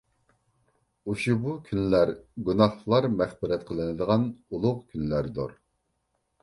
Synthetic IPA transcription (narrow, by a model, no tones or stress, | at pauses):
uʃubukʲʰynlæɾɡunɑχlˠɑɾmɛχbɪɾɛt̪̚qʰəlˠɨnɨd̪əʁɑnulˠʊʁkʲʰynlæɾd̪uɾ